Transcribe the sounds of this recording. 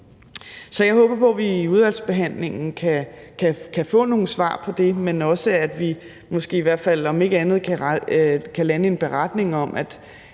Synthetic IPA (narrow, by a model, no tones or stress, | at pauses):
sɒ̽jɑ̈ɪɦɔ̽ːb̥ɐpʰɒ̽ʋiːuð̞ˠʋæl̰sb̥e̝ɦæn̰le̝ŋn̩kʰækʰækʰæfɔ̰ːno̝ːn̩sʋɑ̰̈ːpʰɒ̽d̥e̝menɒ̽səæd̥ʋi | mɒ̽sɡ̥e̝̰ːiʋæɐ̰d̥fæl̰ɒ̽me̝ɡ̥əænð̞̩ˠkʰæ | kʰælænəe̝nb̥e̝ʁad̥ne̝ŋɒ̽mʔæd̥